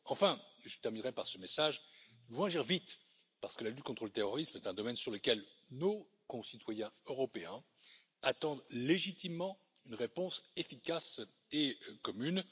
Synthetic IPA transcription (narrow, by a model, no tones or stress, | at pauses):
ɑ̃fɛ̃ʒət̪ɛʁminʁɛpaʁsəmesaʒd̪vwɔ̃aʒiʁvit̪ | paʁsə̥kəlalyt̪̚kɔ̃t̪χələt̪eʁɔʁismɛt̪ɛ̃d̪ɔmɛnsyʁləkʲɛlno | kɔ̃sit̪wajɛ̃øʁɔpeɛ̃ | at̪ɑ̃d̪leʒit̪imːɑ̃ | ynʁepɔ̃sefikʲas | ekɔmyn